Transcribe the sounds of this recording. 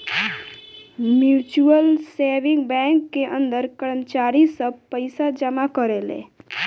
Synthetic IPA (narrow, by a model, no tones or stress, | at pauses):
mjut͡ʃuəlseʋĩŋɡbɛ̃ŋkːeʔə̃nd̪əɾkəɾəmt͡ʃaɾisəb̚pəɪsad͡ʒəmakəɾelḛ̃